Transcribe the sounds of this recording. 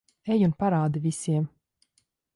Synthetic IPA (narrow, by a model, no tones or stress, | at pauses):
ejunpaɾaːd̪ivisiɛm